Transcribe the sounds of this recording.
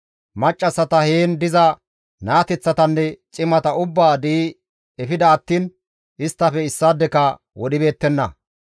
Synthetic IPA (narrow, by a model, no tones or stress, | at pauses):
mɐt͡ʃʼːɐsːɐt̪ɐheːnd̪ɪzɐ | naːt̪ɛt͡sːɐt̪ɐnːɛt͡ʃʼɪmɐt̪ɐʊbːaːd̪iː | ɛfɪd̪ɐːt̪ːiːn | ʔɪst̪ːɐfɛɪsːad̪ːɛkɐ | wɔɗɪbe̞ːt̪ːɛnːɐ̰